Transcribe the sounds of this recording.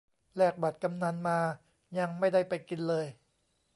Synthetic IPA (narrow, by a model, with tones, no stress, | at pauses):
lɛː˥˩k̚ba˨˩t̪̚ka˧mna˧nmaː˧ | ja˧ŋma˥˩jda˥˩jpa˧jki˧nlɤː˧j